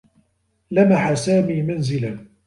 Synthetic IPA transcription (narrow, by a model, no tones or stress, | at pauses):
lamaħasaːmiːmanzɪlan